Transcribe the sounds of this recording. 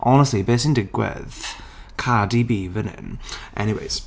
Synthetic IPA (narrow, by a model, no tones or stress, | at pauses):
ʔɔnəstˡlibeːsɪ̃ndɪɡwə̰ð̥ | kʰadibiːvənɪ̰nʔɛ̰niwḛɪz̥